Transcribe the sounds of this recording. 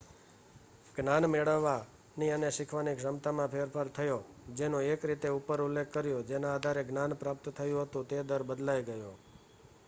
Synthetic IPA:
ɡnanmeɭəʋːa | niəneʃɪkʰʋanikʃəmt̪amãpʰeɾfʰaɾt̪ʰəjod͡ʒenoekɾit̪eupəɾulːekʰːəɾjod͡ʒenaːd̪ʱaɾeɡnanpɾap̚t̪t̪ʰəjũɦət̪ũt̪ed̪əɾbəd̪lajɡəjo

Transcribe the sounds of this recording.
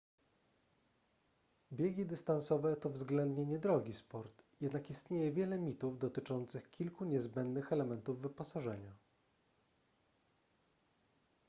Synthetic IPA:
bʲjeɡʲid̪ɘst̪ansɔvɛt̪ɔvzɡlɛnd̪ɲeɲɛd̪ɾɔɡʲispɔɾt̪jɛd̪nakist̪ɲejɛvʲjɛlɛmʲit̪uvd̪ɔt̪ɘt͡ʂɔnt̪sɘxkʲilkuɲɛzbɛnd̪nɘxɛlɛmɛnt̪uvːɘpɔsaʐɛɲa

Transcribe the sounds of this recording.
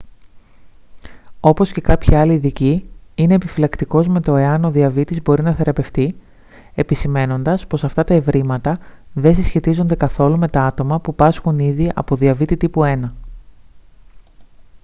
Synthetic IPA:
o̞po̞sce̞kɐpçiɐliːðiciine̞ːpifilɐkt̪iko̞zme̞t̪o̞e̞ɐno̞ðiɐvit̪izbo̞ɾinɐθe̞ɾɐpe̞ft̪i | e̞pisime̞no̞nd̪ɐspo̞sɐft̪ɐt̪ɐe̞vɾimɐt̪ɐðe̞sisçe̞t̪izo̞nd̪e̞kɐθo̞lume̞t̪ɐɐt̪o̞mɐpupɐsxuniðiʔɐ̰po̞ðiɐvit̪it̪ipue̞nɐ

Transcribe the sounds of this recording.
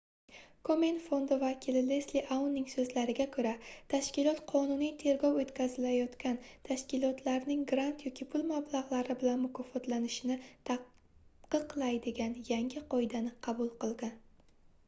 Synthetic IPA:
kʰomenfo̞nd̪ɪvakʲʰɪlɪlesliʔawnːɪŋsɵzlaɾɪɡʲakʰɵɾat̪ʰaʃkʲɪlɒt̪qʰɒnʊnijt̪ʰe̞ɾɡɒwot̪kʲazɪlajɒt̪kʲant̪ʰaʃkʲɪlˠɒt̪ʰlaɾnɪŋɡɾant̪jɒkʲipʰʊlmablˠaʁlˠaɾɪbɪlanmʊkʰɒfɒt̪lanɪʃɪnɪt̪ʰa | qɨqlˠajd̪ɪɡʲanjaŋɡʲɪqʰɒjd̪anɪqʰɑbʊlˠqɨlˠɡʲan

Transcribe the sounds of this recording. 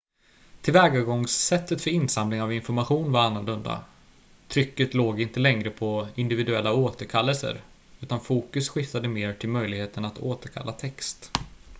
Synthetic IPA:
t̪ʰɪlvɛːɡaɡɔŋsːɛt̪ːət̪fœɾɪnsamlɪŋavɪnfɔɾmaɧuːnvaɾanːɵlɵnd̪a̰ | t̪ʰɾʏkːət̪loːɡɪnt̪əlɛŋɾəpʰɔɪnd̪ɪvɪd̪ɵɛlːaoːt̪əɾkʰalːəlsə̰ɾ | ʉ̟ːt̪anfuːkɵsɧɪft̪ad̪əmeːɾʈʰɪlmœjlɪɡheːt̪ənat̪ʰoːt̪əɾkʰa̰lːat̪ʰɛkst̪

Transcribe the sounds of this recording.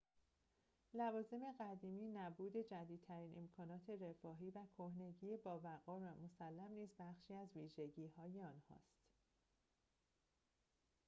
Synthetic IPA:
lævɒːze̞me̞ɣæd̪iːmiːnæbuːd̪e̞d͡ʒæd̪iːd̪̚t̪ʰæɾiːnʔe̞mkʰɒːnɒːt̪ʰe̞re̞fɒːɦiːvækʰohne̞ɟiːebɒːvæɣɒːvæmo̞sælːæmniːzbæχʃiːæzviːʒe̞ɟiːhɒːjeɒːnhɒ̰ːst̪

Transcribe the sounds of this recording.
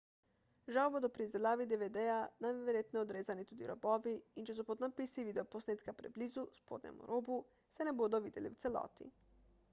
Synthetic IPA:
ʒaobod̪opɾiizelaːʋid̪eʋed̪eanaeɾjet̪neod̪ɾeːzanit̪ud̪iɾoboʋiint͡ʃes̬upod̪napisiʋid̪eoposneːt̪kapɾeblizuspoːd̪nḛmṵɾʔobu | senebud̪oʋid̪jelḭwt̪selo̰ːt̪ḭ

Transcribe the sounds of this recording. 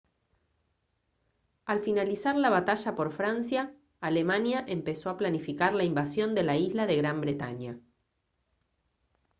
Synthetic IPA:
alfinalisaɾlaβat̪aʒapo̞ɾfɾansjaː | le̞manjaʔempesoaplanifikaɾlaimbasjo̞nd̪e̞laizlaðe̞ɣɾambɾe̞t̪a̰ɲa

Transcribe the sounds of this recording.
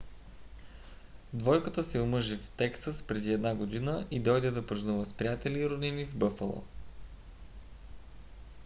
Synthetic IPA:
d̪vɔjkət̪əsɛʊmɤʒift̪ɛksəspɾɛd̪iɛd̪naɡod̪inəʔid̪ɔjd̪ɛd̪ɐpɾznuvəspɾʲijat̪ɛliɾʊd̪inivbɤfəlˠo̰

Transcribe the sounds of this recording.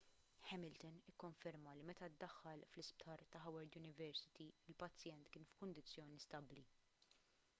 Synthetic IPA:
ħɛmɪlt̪ɔnɪkːɔɱfɛɾmɐlimɛt̪ɐd̪ːɐxːɐlflɪsp̚t̪ʰɐːɾt̪ɐɦɐwɛɾd̪jʊnɪvɛɾsɪ̥t̪iɪlpɐt͡sːjɛnt̪kɪːnfkʊnd̪ɪt͡sːjɔːnist̪ɐbli

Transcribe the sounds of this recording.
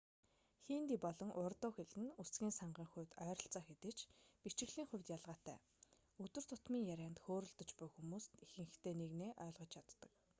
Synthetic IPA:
xiːnt̪iːpɔɮɞ̆ŋʔʊrt̪ʊːxeɮɘ̆nut͡sɡʲiːnsaɴɢiːŋχʊ̟wt̪œːɾə̆ɬt͡sɔːxet̪ɘ̆t͡ɕpit͡ɕɪ̆ɣɮ̥iːŋχʊwʲt̪jaɮʁaːt̪æ̰ː | ɵt̪ɵ̆r̥t̪ʰʊt̪miːŋjæɾʲæːnt̪xoːɾə̆ɮt̪ə̆t͡ɕpʊjxumuːst̪ixɘ̆ŋ̆xt̪eːneɣneːʔœːɮʁɞ̆t͡ɕʰat̪ːə̆k

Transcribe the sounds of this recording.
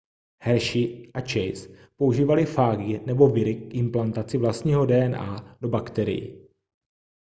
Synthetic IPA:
hɛɾʃɪʔat͡ʃɛjspo̞uʒiːvalɪfaːɡɪnɛbo̞vɪɾɪkʔɪmplant̪at͡sɪvlast̪ɲiːɦo̞dɛːʔɛnʔaːdo̞bakt̪ɛɾɪ̰jɪ̰

